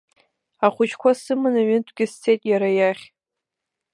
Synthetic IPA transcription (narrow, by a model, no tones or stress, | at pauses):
aχʷʊt͡ʃʰkʷʰasɨmɨnaɥɪntʷʰɡʲɪst͡sʰejtʼjaɾajaχʲ